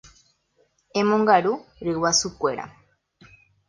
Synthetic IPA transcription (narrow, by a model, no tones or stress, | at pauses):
ẽmõŋɡaɾuɾɨwasukʷe̞ɾa̰